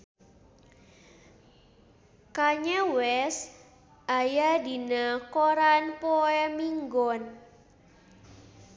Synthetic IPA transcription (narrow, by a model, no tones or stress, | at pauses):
kaɲɛwɛs | ʔajadi̤nakoɾanpɔɛmiŋɡɔn